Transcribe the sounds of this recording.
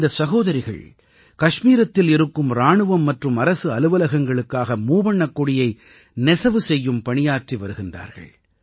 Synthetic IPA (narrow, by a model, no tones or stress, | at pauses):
d̪ɐsɐɣoːðɐɾɪɣɐ̰ɭ | kɐʂmiːɾɐt̪ːɪlɪɾɯkːɯmɾaːɳɯʋɐmːɐʈrɯmɐɾɐsɯɐlɯʋɐlɐɣɐŋɡɐɭɯkːaːɣɐmuːʋɐɳːɐkːɔɽɪjɐɪ | nɛsɐʋɯsɛjːɯmpɐɳɪjaːʈriʋɐɾɯɣɪndra̰ːɾɣɐ̰ɭ